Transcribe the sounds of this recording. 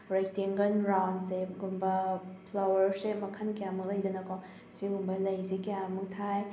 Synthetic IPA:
ɾajk̚tiŋɡɐnɾawnseɡumbɐpʰlawɐɾsemɐkʰɐnkijamɐk̚lɐjdɐnɐkɔ | siɡumbɐlɐjsikijammuk̚tʰaj

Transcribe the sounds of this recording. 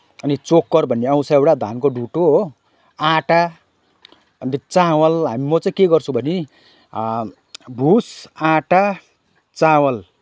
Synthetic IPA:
ʌnit͡sokːʌrbʱʌnːeʌ̃w̃saewʈad̪ʱankoɖʱuʈoɦo | ãʈa | nit͡sawʌlɦamimʌt͡saĩkeɡʌrt͡sʰũbʱʌni | bʱusãʈa | t͡sawʌl

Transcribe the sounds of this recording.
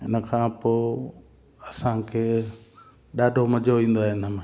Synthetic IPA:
ɦɪ̰nəkʰãːpoː | ɐsãkʰeː | ɗaːɖʱomɐd͡ʑʱoʋĩːn̆d̪oaːɦɪɪnəmẽ

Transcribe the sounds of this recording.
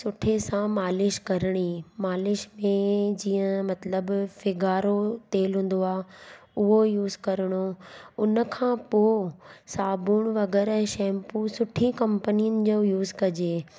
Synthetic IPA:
sʊʈʰesãmaːlɪʃkɐɾəɽ̃imaːlɪʃmẽd͡ʑiːə̃mɐt̪ləbfɪɡaːɾot̪eːlɦũːn̆d̪oaː | ʊɦojuːzkɐɾəɽ̃oʊnə̆kʰãpoːsaːbuːɽ̃ʋɐɡɛːɾɛ̃ːʃɛ̃ːmpusʊʈʰikɐ̃mpənijənɪ̆d͡ʑoːjuːzkɐd͡ʑe

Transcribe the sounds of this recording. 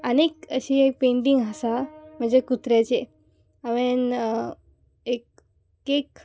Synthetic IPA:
ənekəɕiek̚pẽɳʈiŋɡɦəsam̤əɳd͡zekut̪ɾat͡ɕe | əʋen | ek̚ː | ek

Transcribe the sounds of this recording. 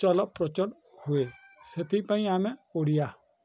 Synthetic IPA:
ɔlɔpːɾɔt͡ʃɔn | hueset̪ʰipaĩamɛoɽija

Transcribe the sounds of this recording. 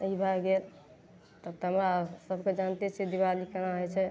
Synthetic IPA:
ibʱaɡel | t̪ət̪əmɾasəbʱked͡ʒant̪et͡ʃʰid̪iβalikenaɦɔjt͡ʃʰɛ

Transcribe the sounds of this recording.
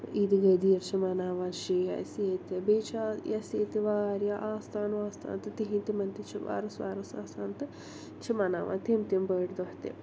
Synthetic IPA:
id̪iɡɐd̪ijɐɾt͡ʃʰimaːnaːʋaːnʃiːɦɐ̰sjeːt̪ɐbeːt͡ʃʰaːjɐseːt̪iʋaːɾjaʔaːst̪ʰaːnʋaːst̪ʰa̰ːnt̪ɐt̪iɦint̪imɐnt̪it͡ʃʰiʋa̰ːɾɐsʋa̰ːɾɐsaːst̪ʰaːnt̪ɨ | t͡ʃʰimaːnaːʋa̰ːnt̪eːmt̪imbɐːɖd̪oht̪ḛː

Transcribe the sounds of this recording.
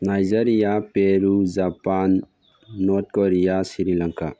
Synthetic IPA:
najzaɾijapeɾud͡ʒapanː | ɔɾt̚kɔɾijasiɾilaŋkʰa

